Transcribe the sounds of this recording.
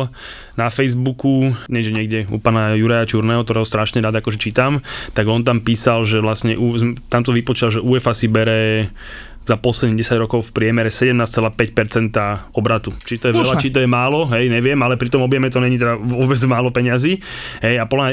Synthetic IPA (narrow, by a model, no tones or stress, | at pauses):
nafɛjzbukuɲɛd͡ʒɲɪɛɡɟɛṵpaːnajuɾajat͡ʃuɾnɛːɦɔkt̪ɔɾɛːɦɔst̪ɾaʃɲɛɾaːd̪akɔʒɛt͡ʃiːt̪amt̪aɡɔnt̪̬ampiːsalʒɛʋlasɲɛʔuzmt̪amt̪ɔʋipɔt͡ʃilaʒɛʔuːɛfasibɛɾɛ | zapɔslɛd̪niɟɛsaɟɾɔkɔʊfpɾɪɛmɛɾɛsɛɟɛmnaːst͡sɛlaːpɛcpɛɾt͡sɛnt̪aɔbɾat̪ut͡ʃit̪ɔjɛʋɛlat͡ʃit̪̬ɔjɛmaːlɔɦɛjɲɛʋɪɛmalɛpɾit̪ɔmɔbjɛmɛt̪ɔɲɛɲit̪̬ɛd̪aʋʊɔbɛd͡zmaːlɔpɛɲɪaziː | ɦɛjapɔla